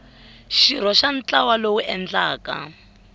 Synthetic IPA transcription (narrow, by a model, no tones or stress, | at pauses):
ʃiɾ̤ɔʃant͡ɬawalowuʔɛnd͡ɮaːka̰